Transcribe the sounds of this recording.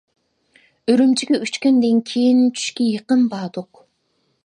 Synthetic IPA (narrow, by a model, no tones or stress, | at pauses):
øɾymt͡ʃiɡʲeyt͡ʃkend̪eŋkʲʰejint͡ʃʰy̥ʃkʲejɯqɯnbɑːd̪uq